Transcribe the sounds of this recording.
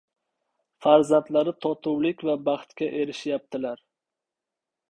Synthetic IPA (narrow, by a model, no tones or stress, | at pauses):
faɾzant̪laɾɪt̪ʰɒt̪ʰʊwlɪkʲvabaχt̪kʲaʔe̞ɾɪʃjap̚t̪ʰɪlaɾ